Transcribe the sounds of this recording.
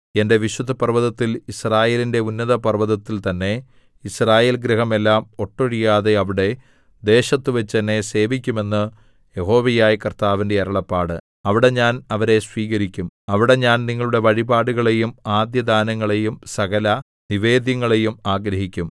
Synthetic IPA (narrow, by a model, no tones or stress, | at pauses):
e̞nde̞ʋiɕud̪ʱːɐpɐrʋɐðɐt̪ːilisraːje̞ːlinde̞unːɐðɐpɐrʋɐðɐt̪ːilt̪ɐnːe̞ | israːjeːlɡɾɐɦɐme̞lːaːmo̞ʈːoɻijaːðe̞ɐʋiɽe̞ | d̪e̞ːɕɐt̪ːuʋɐt͡ɕːɐnːe̞se̞ːʋikʲːume̞nːɨ | je̞ɦo̞ːʋɐjaːjikɐrt̪aːʋinde̞ɐɾɐɭɐpːaːɽɨ | ɐʋiɽe̞ɲaːnɐʋɐɾe̞sʋiːɣɐɾikʲːumɐʋiɽe̞ɲaːnniŋːɐɭuɽe̞ʋɐɻibaːɽuɣɐɭe̞jumaːd̪jɐd̪aːnɐŋːɐɭe̞jumsɐɣɐlɐ | niʋe̞ːd̪jɐŋːɐɭe̞jumaːɡɾɐɦikʲːum